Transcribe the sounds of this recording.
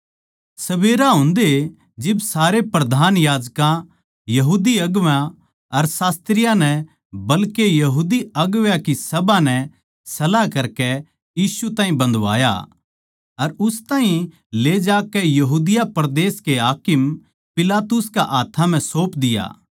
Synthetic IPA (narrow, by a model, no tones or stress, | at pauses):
sɐbeːɾaɦʊ̃nd̪e | d͡ʒɪbsaːɾepɾɐd̪ʱaːnjaːd͡ʒkã | jɐɦuːd̪iɐɡʋjã | ɐɾsaːst̪ɾɪjanɛ | bɐlkejɐɦuːd̪iɐɡʋjãkisɐbãnɛ | sɐlakɐɾkɛ | jiːsut̪ãːɦĩbɐ̃nd̪ʋa̰ːja̰ | ɐɾʊst̪aːɦĩ | leːd͡ʒaːkɛjɐɦuːd̪ɪjapɐɾd̪eːskeɦaːkɪm | pɪlaːt̪ʊskaʔaːt̪ʰãm̤ɛ̃soːpd̪ɪja̰ː